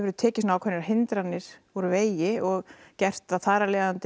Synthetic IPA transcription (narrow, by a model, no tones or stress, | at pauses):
vɛɾðʏt̪ʰɛːcɪsnaːwkʰɛnːɪɾaɦɪnt̪ɾanːɪɾ̥ɔɾʏveːjɪɔɣcɛr̥t̪aθaːɾalɛːðant̪